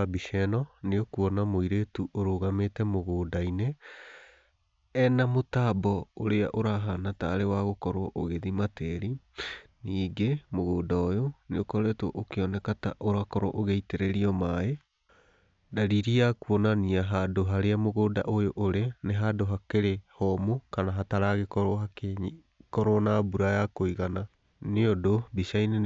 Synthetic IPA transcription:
abiʃɛnɔneokuɔnamoiɾetuʔoɾoɣametɛmoɣoːdaine | ɛnamotaːbɔoɾeaʔoɾaɦanataːɾewaɣokɔɾoɔʔoɣeðimatɛɾi | niːɡemoɣodaojoneokɔɾɛtwo̰ʔokeɔnɛkata̰ʔoɾakɔɾo̰ʔoɣɛiteɾɛɾiɔmae | daɾiɾiakuɔnaniaɦadoɦaɾeamoɣoda̰ʔojoʔoɾeneɦadoɦakeɾehɔmokanaɦataɾaɣekɔɾoɦake | kɔɾonabuɾajakoiɣana | neodobisaine

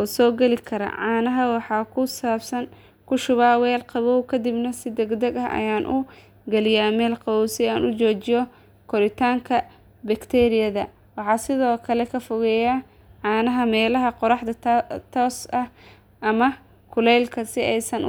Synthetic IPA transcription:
ʔɔːsɔːɡɛlɪkʰɐɾɐ̰ʕɑːnɐɦɐwɑħɑːkʰʊsaːbsɐn | kʰʊʃʊβaːwɛːlqɑβɔwkʰɐd̪ɪbnɐsɪd̪ɛɡd̪ɐɡɐɦʔɐ̰jaːnʔʊ | ɡɐlɪjaːmɛːlqɑuwsɪaːnʊt͡ʃɔːt͡ʃɪjɔ | kʰɔɾɪt̪ʰaːŋkʰɐ | bɐkt̪ʰɛːɾɪjɐðɐ | wɑħɑːsɪðɔːkʰɐlɛkʰɐfɔɣɛja | ʕɑːnɐɦɐmɛːlɐɦɐqɔɾɑħd̪ɐt̪ʰɔːsɐh | ʔɐmɐ | kʰʊlɛjlkʰɐsɪɛjsɐn

